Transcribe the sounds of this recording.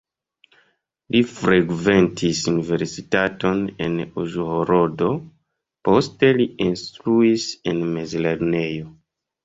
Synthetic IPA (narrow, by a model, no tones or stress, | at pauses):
lifɾeɡve̞ntʰisunive̞ɾsitato̞ne̞̰nuʒuhoɾodo | po̞ste̞liinstɾuise̞nmezleɾne̞jo